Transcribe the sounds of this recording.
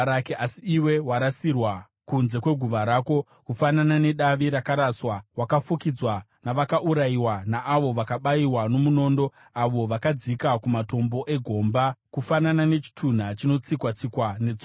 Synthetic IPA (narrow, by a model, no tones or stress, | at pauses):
ɾakeʔasiːwe̞waɾasirwa | kunze̞kwe̞ɡʱuʋaɾaːko̞ | kufananane̞ɗaʋiɾakaɾaswawakafukid͡zwa | naʋakaʔuɾaiwanaʔaʋo̞ʋakaɓaiwano̞muno̞ːndo̞ | aʋo̞ʋakad͡zikakumato̞mbo̞ʔe̞ɡʱo̞mbakufananane̞t͡ʃi̥tʰun̤at͡ʃino̞t͡sikwat͡sikwane̞d͡zo